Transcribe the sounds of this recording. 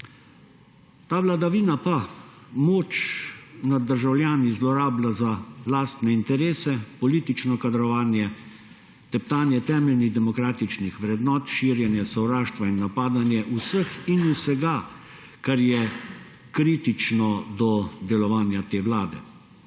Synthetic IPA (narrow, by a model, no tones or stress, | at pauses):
t̪aːʋlad̪aʋiːnapamoːt͡ʃnad̪ːəɾʒawlʲjaːnizlɔɾaːblazalaːst̪nɛint̪ɛɾeːsɛpɔliːt̪it͡ʃnɔkad̪ɾɔʋaːnjɛ | t̪ɛp̚t̪aːnjɛt̪ɛːmɛlniɣd̪ɛmɔkɾaːt̪it͡ʃnixʋɾɛd̪nɔːt̪ʃiːɾjɛnjɛsɔwɾaːʃt̪ʋainːapaːd̪anjɛʔusəxinusɛɡa | kaɾjɛ | kɾiːt̪it͡ʃnɔd̪ɔd̪ɛlɔʋaːnjat̪eːʋlaːd̪ɛ̰